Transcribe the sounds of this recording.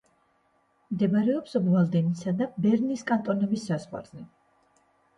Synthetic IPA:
md̪ɛbaɾɛɔpsbvalˠd̪ɛmisad̪abɛɾniskʼant̪ʼɔnɔbisːazʁwa̰ɾzɛ

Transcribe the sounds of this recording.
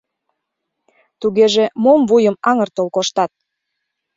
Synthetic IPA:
t̪uɣeʒemomvujəmɑŋərt̪olkoʃt̪ɑt̪̚

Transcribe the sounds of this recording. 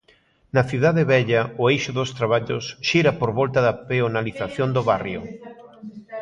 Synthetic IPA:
nɐθiðaðeβɛʎɐʊejʃʊðost̪ɾaβ̞aʎosʃiɾɐpoɾβɔlt̪ɐðɐpeonaliθaθjond̪oβarjo̰

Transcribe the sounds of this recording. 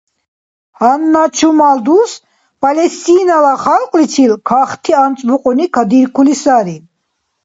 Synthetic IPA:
hanːat͡ʃʰumald̪us | pʼalɛst̪inalaχalqʼlit͡ʃʰilkʰaχt̪ʰiant͡sʼbuqʼunikʰad̪iɾkʰulisaɾi

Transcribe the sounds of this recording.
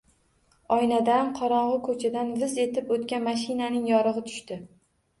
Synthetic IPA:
ɒjnad̪amqʰɒɾɒɴʁɨkʰɵt͡ʃʰad̪anvɪze̞t̪ʰɪpot̪kʲanmaʃ̬ɪnanɪŋjɒɾɨʁɨt̪ʰʊ̥ʃt̪ɪ

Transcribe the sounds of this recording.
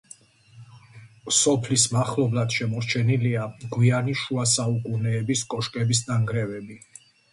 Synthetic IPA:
sɔpʰlismaχlɔblad̪̥ʃɛmɔɾt͡ʃʰɛniliaɡwianiʃuas̬aukʼunɛːbiskʼɔʃkʼɛbis̬naŋɡɾɛvɛbi

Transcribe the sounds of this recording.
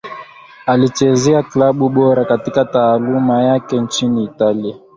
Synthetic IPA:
alit͡ʃɛzɛaklaɓuɓɔɾakatikataːlumajakɛnt͡ʃiniːtalia

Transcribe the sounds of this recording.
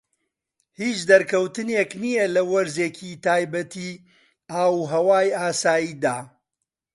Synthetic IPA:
hiːt͡ʃd̪ɐɾkʰɐwt̪ɨneknijɛlɐwɐɾzeːkʰit̪aːjbɐt̪ʰiː | aːwɦɐwaːjaːsaːjiːd̪aː

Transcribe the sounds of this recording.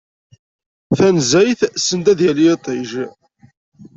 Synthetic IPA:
θænzæjθsənt̪æðjælit̪ˤiʒ

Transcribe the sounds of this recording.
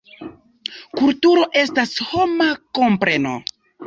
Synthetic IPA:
kultuɾo̞ʔe̞stasho̞mako̞mpɾe̞no̞̰

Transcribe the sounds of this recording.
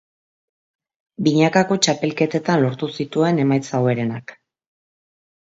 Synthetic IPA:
biɲakako̞t͡ʃape̞lke̞t̪e̞t̪anlo̞ɾt̪usit̪ue̞ne̞majt͡sawe̞ɾe̞nak

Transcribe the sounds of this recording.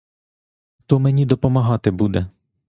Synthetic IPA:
t̪ɔmenʲid̪ɔpɔmɐɦɑt̪ɪbud̪ɛ

